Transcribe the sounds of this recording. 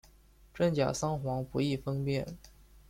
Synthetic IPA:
ʈ͡ʂə˥˩ŋt͡ɕja̰˨˩sɑ˥ŋxwɑ˧˥ŋpu˧˥i˥˩fɤ˥ŋpjɛ˥˩n

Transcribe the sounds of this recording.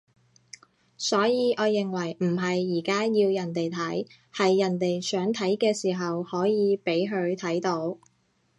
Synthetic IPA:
sɔː˨˥jiː˨˧ʔɔː˨˧jɪ˨ŋwɐ˨˩jm̩˨˩ɦɐ˨jːiː˨˩kaː˥jiː˧wjɐ˨˩nt̪e˨jt̪ʰɐ˨˥j | hɐ˨jːɐ˨˩nt̪e˨jsœː˨˥ŋt̪ʰɐ˨˥jkɛː˧siː˨˩ɦɐ˨whɔː˨˥jiː˨˧pe˨˥jɦɵ˨˧ɥt̪ʰɐ˨˥jt̪o˨˥w

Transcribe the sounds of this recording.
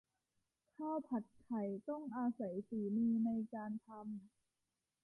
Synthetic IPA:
kʰaː˥˩wpʰa˨˩t̪̚kʰa˨˩jt̪ɔ˥˩ŋʔaː˧sa˨˩˦jsiː˨˩˦niː˧na˧jkaː˧nt̪ʰa˧m

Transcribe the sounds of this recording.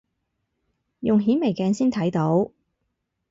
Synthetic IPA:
jʊ˨ŋɦiː˨˥nme˨˩jkɛː˧nsiː˥nt̪ʰɐ˨˥jt̪o˨˥w

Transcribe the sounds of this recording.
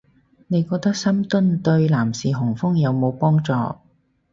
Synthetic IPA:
ne˨˧jkɔː˧k̚t̪ɐ˥k̚sɐ˥mt̪ɵ˥nt̪ɵ˧ɥlaː˨˩msiː˨˩ɦʊ˨˩ŋfʊ˥ŋjɐ˨˧wmo˨˧wpɔː˥ŋt͡sɔ̰ː˧

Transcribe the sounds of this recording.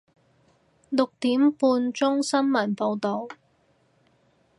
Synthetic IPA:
lʊ˨k̚t̪iː˨˥mpuː˧nt͡sʊ˥ŋsɐ˥nmɐ˨˩npo˧wt̪o˨˧w

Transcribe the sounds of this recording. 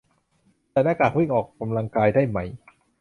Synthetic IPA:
t̪ɛː˨˩naː˥˩kaː˨˩k̚wi˥˩ŋʔɔː˨˩kːa˧mla˧ŋkaː˧jdaː˥˩jma˦˥˩j

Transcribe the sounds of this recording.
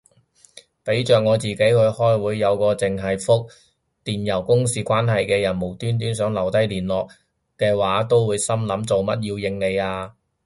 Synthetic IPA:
pe˨˥jt͡ʃœː˨k̚ŋɔː˨˧t͡siː˨ke˨˥jkɵ˨˧ɥhɔː˥jwuː˨˧jːɐ˨˧wkɔː˧t͡sɪ˨ŋɦɐ˨jfʊ˥k̚ | t̪iː˨njɐ˨˩wkʊ˥ŋsiː˧kʷwaː˥nɦɐ˨jkɛː˧jɐ˨˩nmo˨˩wt̪yː˥nt̪̬yː˨˥nsœː˨˥ŋlɐ˨˩wt̪ɐ˥jliː˨˩nlɔː˨k̚ | kːɛː˧waː˨˥t̪o˥wwuː˨˧jsɐ˥mlɐ˨˥mt͡so˨wmɐ˥t̚jiː˧wjɪ˨˧ŋne˨˧jaː˧

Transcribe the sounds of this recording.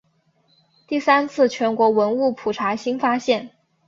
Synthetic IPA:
t̪i˥˩sa˥nt͡sʰɹ̩˥˩t͡ɕʰɥɛ˧˥nkwɔ˧˥wə˧˥nu˥˩pʰu˨˩ʈ͡ʂʰa˧˥ɕi˥ŋfa˥ɕjɛ˥˩n

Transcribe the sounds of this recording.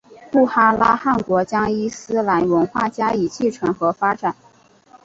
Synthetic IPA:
pu˥˩xa˥la˥xa˥˩nkwɔ˧˥t͡ɕjɑ˥ŋi˥sɹ̩˥la˧˥nwə˧˥nxwa̰˥˩t͡ɕja˥i˨˥˩t͡ɕʰi˥˩ʈ͡ʂʰɤ˧˥nxɤ˧˥fa˥ʈ͡ʂa˨˩˦n

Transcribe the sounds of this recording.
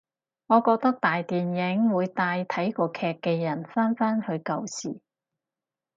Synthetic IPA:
ŋɔː˨˧kɔː˧k̚t̪ɐ˥k̚t̪aː˨jt̪iː˨˩njɪ˨˥ŋwuː˨˧jt̪aː˧jt̪ʰɐ˨˥jkɔː˧kʰɛː˧kːɛː˧jɐ˨˩nfaː˥nfaː˥nhɵ˨˧ɥkɐ˧wsiː˨˩

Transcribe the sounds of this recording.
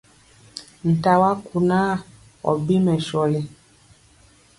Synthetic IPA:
n̩˨ta˨wa˦ku˨na˦ | ɔ̰˨bi˦mɛ˨ʃɔ˨le˨˦

